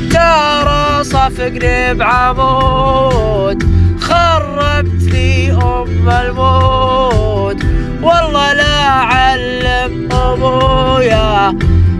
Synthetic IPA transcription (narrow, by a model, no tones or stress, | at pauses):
tɑɾˤɑsˤɑfɪɡɾɪbʕamoː | t̪xɑrˤːɑɡ̚t̪fiːɦʊmalmoː | t̪ | wɑlˤːɑːlaʕalːɪmʔʊboja